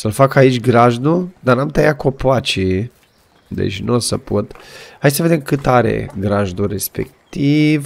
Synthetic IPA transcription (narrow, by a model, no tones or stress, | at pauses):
səlfakait͡ʃʲɡɾaʒnud̪anamt̪ajako̞poat͡ʃi | d̪ḛt͡ʃʲnosəpʰot̪hajd̪səve̞d̪emkɨt̪aɾe̞̰ɡɾaʒd̪uɾe̞spe̞̰kt̪iv